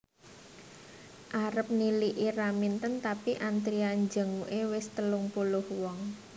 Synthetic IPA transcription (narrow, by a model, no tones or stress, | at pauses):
ʔaɾəp̚niliʔiramint̪ənt̪apiʔant̪ɾiand͡ʒə̤ŋuʔewɪst̪əlʊŋpulʊhwɔŋ